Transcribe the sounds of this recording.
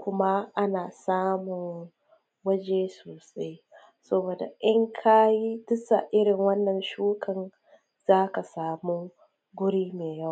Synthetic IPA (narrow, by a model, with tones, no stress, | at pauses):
kʷʊ˦ma˦ʔa˦naː˨saː˦mʊ˨ŋ | wɐ˦d͡ʒe˦soː˨sa˦j | sɐ˦boː˨da̰˨ʔɪ˦ŋkʰa˦ji˦tʊ˦sa˨ʔɪ˦ɽɪ˨ŋwɐ˦nːɐ˨nʃuː˦kʰɐ˨n | z̥aː˦ka˨saː˨muː˦ | ɡʷʊ˦ɽiː˦meː˨jɐ˦w